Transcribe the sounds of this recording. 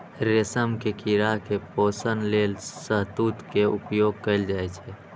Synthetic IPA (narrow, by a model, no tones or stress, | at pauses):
ɾesəmkekiɾakepoːsənleːlsəɦt̪ut̪keʊpjoːɡ̚kəɪld͡ʒaːɛt͡ʃʰɛ